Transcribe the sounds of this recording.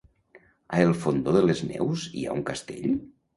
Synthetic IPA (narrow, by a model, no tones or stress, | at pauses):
aelˠfond̪oðəleznɛ̰wzḭa̰uŋkast̪eʎ